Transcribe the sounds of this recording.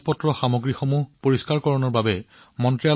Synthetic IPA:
pɔtɹɔxamoɡɹixomupoɹiskaɹkɔɹɔnɔɹbabɛ | mɔntɹia

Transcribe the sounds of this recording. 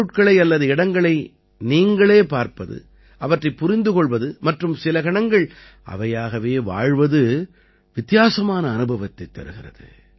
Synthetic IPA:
ɯʈ̚kɐɭɐɪɐlːɐðɯɪɽɐŋɡɐɭɐɪ | niːŋɡɐɭeːpaːɾpɐðɯ̰ | ʔɐʋɐʈrɐɪpːʊɾɪnd̪ɯkɔɭʋɐðɯmɐʈrɯmsɪlɐɣɐɳɐŋɡɐɭ | ʔɐ̰ʋɐjaːɣɐʋeːʋa̰ːɻʋɐðɯ | ʋɪt̪ːɪjaːsɐmaːnɐːnɯbɐʋɐt̪ːɐɪt̪ːɐ̰ɾɯɣɪrɐ̰ðɯ̰

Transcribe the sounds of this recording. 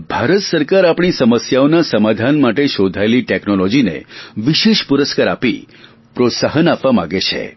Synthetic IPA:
bʱaɾət̪səɾkaɾapɳ̃isəməsjaonasəmad̪ʱanmaʈeʃod̪ʱaeliʈeknolɔd͡ʒinḛʋiʃeʃpuɾəskaɾapi | pɾot̪səɦənapʋamãɡet͡ʃʰḛ

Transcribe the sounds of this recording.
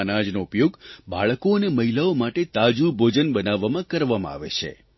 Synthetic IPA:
nad͡ʒnoupjoɡba̰ɭkoəneməɦilaomaʈet̪ad͡ʒubʱod͡ʒənbənaʋːamãkəɾʋamã̰a̰ʋḛt͡ʃʰḛ

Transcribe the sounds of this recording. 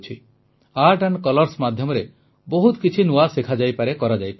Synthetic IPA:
t͡ʃʰi | aɾʈankɔlɔɾsmad̪ʱjɔmɔɾe | bɔɦut̪kit͡ʃʰinuasekʰad͡ʒajpaɾekɔɾad͡ʒajpa

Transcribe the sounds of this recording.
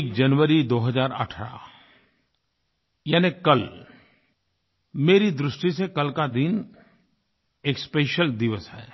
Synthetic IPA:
kd͡ʒɐnʋəɾid̪oːɦəzaːɾɐ̰ʈʰɾa̰ | jaːnekɐl | meːɾid̪ɾʊʃʈisekɐlkad̪ɪn | eːkspeːʃəld̪ɪʋəsɦɛ̰ː

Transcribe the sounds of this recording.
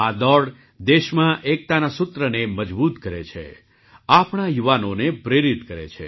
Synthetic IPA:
ad̪ɔɽ | d̪eʃmãʔek̚t̪anasʊt̪ɾəneməd͡ʒbut̪kəɾḛt͡ʃʰḛ | apɳajuʋanonepɾeɾit̪kəɾḛt͡ʃʰḛ

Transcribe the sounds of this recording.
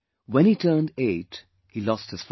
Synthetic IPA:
wɛ̃nitʰɜ˞ndeɪt | hilɔst̚hɨz̥f

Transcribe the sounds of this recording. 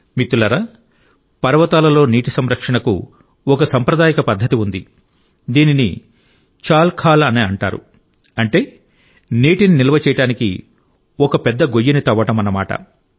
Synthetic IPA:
mit̪ːulɐɾɐ | pɐɾɐʋɐt̪aːlɐlo̞ːniːʈisɐmɾɐkʂɐɳɐkṵ | ɔkɐsɐmpɾɐd̪aːjɐkɐpɐd̪ʱːɐt̪iund̪i | d̪iːninḭ | t͡ʃaːlkʰaːlɐneːɐɳʈa̰ːɾṵ | ɐɳʈe̞ː | niːʈininilɐʋɐt͡ʃɛːjɐʈaːnikḭ | ɔkɐpɛd̪ːɐɡojinit̪ɐʋːɐʈɐmɐnɐma̰ːʈɐ̰

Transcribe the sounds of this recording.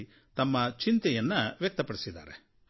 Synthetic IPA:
t̪ɐmːɐt͡ʃint̪ɛjɐnːɐʋjɐk̚t̪ɐpɐɽisid̪a̰ːɾḛ

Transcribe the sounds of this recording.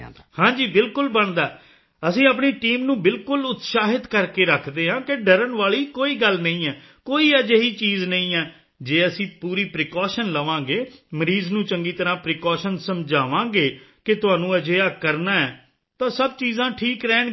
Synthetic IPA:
hãːd͡ʒiːbɪlkʊlbəɳd̪aː | əsĩːəp̬ɳiːʈiːmnũːbɪlkʊlʊt̪saːɦɪd̪kəɾkeːɾəkʰd̪eːɦãːkeɖəɾənʋaːɭiːkoːiːɡəlnəĩːɛː | koːiːəd͡ʒeːɦiːt͡ʃiːznəĩːɛː | d͡ʒeːəsĩːpuːɾiːpɾɪkɔːʃənləʋãːɡeːməɾiːznũːt͡ʃəŋɡiːt̪əɾãːpɾɪkɔːʃənsəmd͡ʒaːʋãːɡeːkɪt̪ʊãːnũːəd͡ʒeːaːkəɾnaːɛː | t̪ãːsəb̚t͡ʃiːzãːʈʰiːkɾɛːɳ

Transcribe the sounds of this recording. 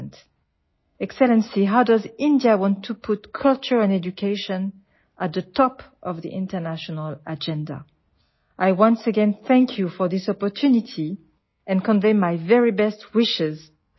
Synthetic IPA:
nt | ɛksɛlɛ̃nsiɦaʊdʌzɪ̃ndiawɑ̃ntʰːupʰʊtkʰʌlˠt͡ʃə˞ɛ̃nɛd͡ʒukʰeɪʃɨ̃n | ʔət̪̚ðətʰɔpʔʌvðḭʔɪ̃ntə˞naʃɔnəlˠad͡ʒɛ̃nda̰ | ʔajwʌ̃nsəɡɛ̃nθæ̃ŋkʰjufɔ˞ðɪsɔpɔ˞tʰʉnɪtʰi | ɨ̃nkɔ̃nvẽɪmajvɛɹibɛstwɪʃɪz

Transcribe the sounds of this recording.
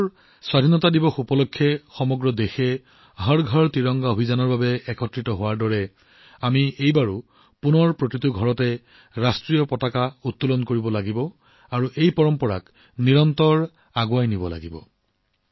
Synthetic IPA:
swadʱinɔtadibɔxupɔlokʰːɛxɔmɔɡɹɔdexɛ | ɦɔɹɡʱɔɹtiɹɔŋɡaobʱizanɔɹbabɛɛkʰɔtɹitɔɦowaɹdɔɹɛ | amiejbaɹu | punɔɹpɹokɹituɡʱɔɹɔtɛ | ɹastɹijɔpɔtakautːulɔnkoɹibɔlaɡibɔ | aɹuʔejpɔɹɔmpɔɹa̰k | niɹɔntɔɹ | aɡwajnibɔla̰ɡibɔ̰

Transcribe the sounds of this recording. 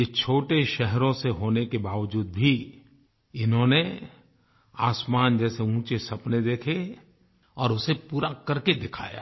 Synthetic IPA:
jet͡ʃʰoːʈeʃɛɦɾõseɦoːnekebaːʋd͡ʒuːd̪̚bʱi | ɪnɦõne | aːsmaːnd͡ʒɛːseũːt͡ʃesɐpned̪eːkʰe | ɔːɾʊsepuːɾakɐɾked̪ɪkʰa̰ːja̰ː

